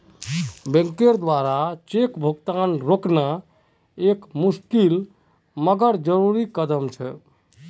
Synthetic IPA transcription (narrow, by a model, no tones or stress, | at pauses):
bẽŋkeɾd̪waɾat͡ʃekbʱoɡt̪anɾokna | ekmuskil | məɡəɾd͡ʒəɾuɾikəd̪əmt͡ʃʰɛ